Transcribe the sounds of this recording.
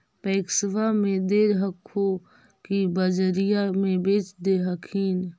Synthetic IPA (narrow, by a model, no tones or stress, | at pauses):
pɛːksʋamẽd̪eːɾɦəkʰːo | kibəd͡ʒəɾijamẽbeːt͡ʃd̪eɦəkʰiːn